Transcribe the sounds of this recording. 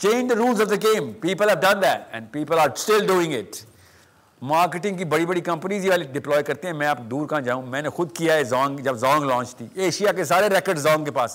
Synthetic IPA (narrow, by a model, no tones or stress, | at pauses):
t͡ʃẽːnd͡ʒd̪əɾuːlzɔʋd̪əɡẽːmpiːpəlɦɛʋɖɐ̃nd̪ɛʈɛ̰̃nɖpiːpəlaːɾsʈɪlɖuːɪ̃ŋɡɪʈ | maːɾkɪʈɪ̃ŋɡkibɐɽibɐɽikɐ̃mpəniziʋaːliɖɪplɔːjkɐɾt̪eɦɛ̃mɛ̃aːpkd̪uːɾkãːd͡ʒãːũːmɛ̃ːnexʊd̪kijaezɔ̃ːŋɡd͡ʒɐbzɔ̃ːŋɡlɔ̃ːt͡ʃt̪iːeːʃijakes̬aːɾeɾɛkəɾɖzɔ̃ːŋɡkepaːs